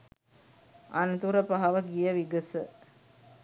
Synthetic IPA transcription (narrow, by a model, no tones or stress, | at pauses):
anət̪uɾəpaɦɐʋəɡijəʋiɡəsə